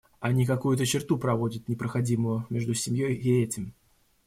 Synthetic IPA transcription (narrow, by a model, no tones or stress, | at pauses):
ɐnʲikɐkujʊt̪ət͡ɕɪrt̪upɾɐvo̞dʲɪt̪̚nʲɪpɾəxɐdʲimʊjʊmʲeʐd̪ʊsʲɪmʲjojɪɛtʲɪm